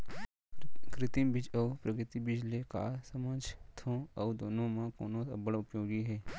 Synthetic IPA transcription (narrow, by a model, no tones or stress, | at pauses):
kɾɪt̪ɪmbɪt͡ʃəupɾəkɾɪt̪ibɪd͡ʒleːka̰ːsəməd͡ʒt̪ʰõːəud̪oːnõːmãːkoːnõːə̰bəɽʊpjoːɡiɦɛː